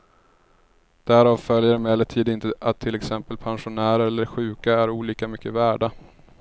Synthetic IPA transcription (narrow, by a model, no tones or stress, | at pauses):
d̪̥æɾɑːvfœljəɾmɛːlət̪ʰiːd̪ɪnt̪əʔat̪ʰːɪlɛksɛmpəlpʰanɧʊnæːɾaɛlːəɾɧʉ̟ːkaæɾuːliːkamʏkʰːəvæːɖa